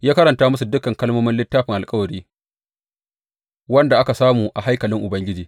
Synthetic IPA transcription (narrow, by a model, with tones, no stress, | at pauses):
jaː˦kɐ˦ɾɐ˨ntaː˦mʊ˦su˨dʊ˦kɐ˨ŋkɐ˦lmoː˦mɪ˦nlɪ˦tːaː˦ɸɪ˨ŋʔa˨lkʼɐ˦wɐ˨ɽiː˦ | wɐ˦nda˨ʔa˦ka˨saː˦muː˨ʔa˨ɦa˦jkɐ˨lɪ˦ŋʔʊ˨bɐ˦ŋɡʲɪ˦d͡ʒiː˨